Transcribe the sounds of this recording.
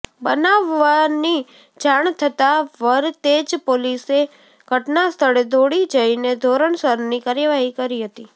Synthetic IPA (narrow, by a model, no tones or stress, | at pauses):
bənaʋːani | d͡ʒaɳt̪ʰət̪aʋəɾt̪ed͡ʒpolise | ɡ̥ʱəʈnast̪ʰəɭed̪oɽid͡ʒəined̪ʱoɾəɳsəɾnikaɾjəʋaɦikəɾiɦət̪i